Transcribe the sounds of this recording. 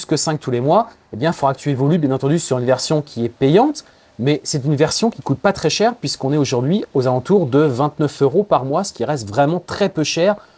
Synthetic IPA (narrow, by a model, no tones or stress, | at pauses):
skəsɛ̃k̚t̪ʰulemwa | ebjɛ̃foʁakət̪ʰyevɔlybjɛ̃nɑ̃t̪ɑ̃d̪ysyʁynvɛʁsjɔ̃kʲʰiɛpɛjɑ̃t̪ | mɛsɛt̪ynvɛʁsjɔ̃kʲikut̪̚pat̪χɛʃɛʁpɥiskɔ̃nɛoʒuʁd̪ɥiozalɑ̃t̪uʁd̪əvɛ̃t̪nœføʁopaʁmwasə̥kʲiʁɛst̪vʁɛmɑ̃t̪χɛpøʃɛːʁ